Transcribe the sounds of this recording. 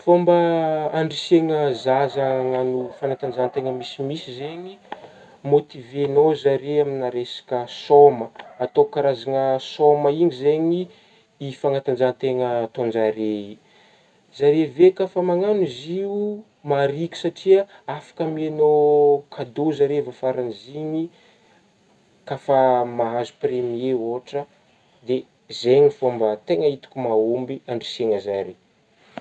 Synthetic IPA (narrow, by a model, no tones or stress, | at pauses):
fombəaɳɖ͡ʐiseŋəzazaŋanufanat̪and͡ʒant̪eŋəmisimisizeɲi | mot̪ivenozaɾeaminaɾesḁkəsoməat̪okaɾazaŋəsoməiɲizeɲiː | faŋat̪and͡ʒant̪eŋət̪ond͡ʒaɾei | zaɾevekafamaŋaniziu | maɾikʲi̥saʈ͡ʂiəafḁkəmianokʰad̪ozaɾevafaɾanziɲi | kafamaɦazupremieoʈ͡ʂə | d̪e | zeɲifombət̪eŋəit̪u̥kʲumaumbiaɳɖ͡ʐiseŋəzaɾi